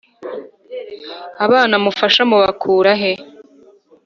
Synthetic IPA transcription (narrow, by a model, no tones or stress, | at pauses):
aβaːnamufaʃamuβakʰuːɾaɦe